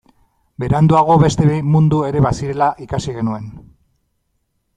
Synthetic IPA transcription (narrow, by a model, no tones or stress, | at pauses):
be̞ɾeand̪uaɣ̞o̞βe̞st̪e̞mund̪ue̞ɾe̞βasiɾe̞laʔikasiɣe̞nue̞n